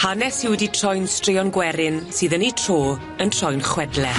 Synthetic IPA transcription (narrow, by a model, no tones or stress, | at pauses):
hanɛshɪwditʰrɔjnstrɪɔnɡwɛɾɪnsɨːðənitʰr̥oː | əntʰr̥ɔjnχwɛdlɛ